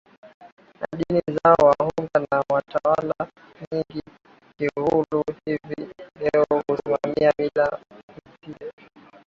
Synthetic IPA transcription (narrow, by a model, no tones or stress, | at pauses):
na̰ɗinizaɔwahuŋɡanawatawala | miŋɡi | kihuluhivilɛɔɔkusimamiamilamsiɛ